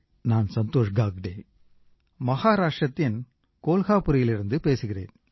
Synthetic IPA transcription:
naːnsɐnt̪oːʂɡaːɡɖeː | mɐɣaːɾaːʈrɐt̪ːɪn | koːlɣaːpɯɾɪjɪlɪɾɯnd̪ɯpeːsɯɣɪrḛːn

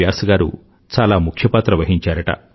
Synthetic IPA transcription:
jaːsɐɡaːɾṵ | t͡ʃaːlaːmukʰjɐpaːt̪ɾɐʋɐɦiɲt͡ʃaːɾɐʈɐ̰

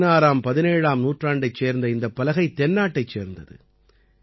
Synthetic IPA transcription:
naːɾaːmpɐðɪneːɻaːmnuːʈraːɳɖɐɪt͡ʃːeːɾnd̪ɐɪnd̪ɐpːɐlɐɣɐɪt̪ːɛnːaːʈːɐɪt͡ʃːeːɾnd̪ɐðɯ̰

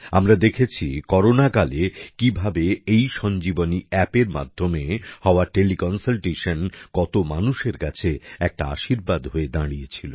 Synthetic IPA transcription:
amɾad̪ekʰet͡ɕʰikɔɾonakalekibʱabeejʃɔnd͡ʑiboniɛpeɾma̰d̪ʱːomehɔoaʈelikɔnsalʈeʃonkɔt̪omanuʃeɾkat͡ɕʰeɛk̚ʈaa̰ʃiɾbad̪ɦoed̪aɽijet͡ɕʰilo̰

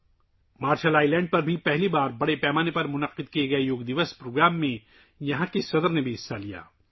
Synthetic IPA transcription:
maːɾʃəlaːilɛ̃ːɳɖ̚pɐɾbʱipɛɦlibaːɾbɐɽepɛːmaːnepɐɾmʊnɐqɪd̪̚kieɡɐejoːɡd̪ɪʋəspɾoːɡɾaːmːẽ | jɐɦãkesɐd̪əɾnebʱiɦɪsːalija̰ː

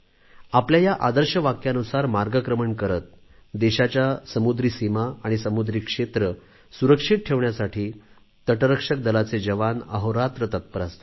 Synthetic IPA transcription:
apljajaʔad̪əɾɕəʋakjanusaɾmaɾɡəkɾəməɳkəɾət̪̚ | d̪eɕat͡ɕjasəmud̪ɾiːsimaaɽ̃isəmud̪ɾiːkʂet̪ɾə | suɾəkʂiʈ̪̚ʈʰeʋɳjasaʈʰiː | t̪əʈəɾəkʂək̚d̪əlat͡sed͡ʑəʋanə̰ɦoɾat̪ɾət̪ət̪̚pəɾast̪o

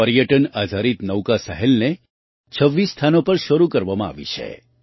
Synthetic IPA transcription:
əɾjəʈənad̪ʱaɾit̪nəwkasəɦɛlne | t͡ʃʰəʋːisːt̪ʰanopəɾʃəɾukəɾʋamãa̰ʋḭt͡ʃʰḛ

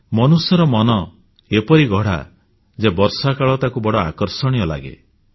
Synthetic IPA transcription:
mɔnusjɔɾɔmɔnɔ | epɔɾiɡʱɔɽ̤a̰ | d͡ʒebɔɾsakaɭɔt̪akubɔɽɔakɔɾsɔɽ̃iɔla̰ɡḛ

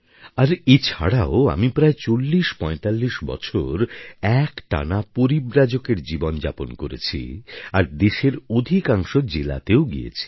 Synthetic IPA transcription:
aɾet͡ɕʰa̰ɽaoa̰mipɾaet͡ɕolːiʃpɔet̪alːiʃbɔ̰t͡ɕʰo̰ɾɛkʈa̰napoɾibɾad͡ʑokeɾd͡ʑibond͡ʑa̰ponkoɾḛt͡ɕʰḭaɾd̪eʃeɾod̪ʱikaŋʃod͡ʑela̰t̪eoɡḭjḛt͡ɕʰi̥

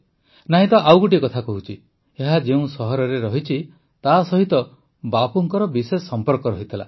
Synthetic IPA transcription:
naɦĩt̪ɔʔawɡuʈikɔt̪ʰakɔɦut͡ʃʰi | eɦad͡ʒeũsɔɦɔɾɔɾeɾɔɦit͡ʃʰi | t̪asɔɦit̪ɔ | bapuŋkɔɾɔbisesɔmpɔɾkɔɾɔɦit̪ʰila̰

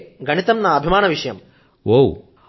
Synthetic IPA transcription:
ɡʱɐnit̪ɐmnaːɐbʱimaːnɐʋiʂɐjɐm | ʋoːw

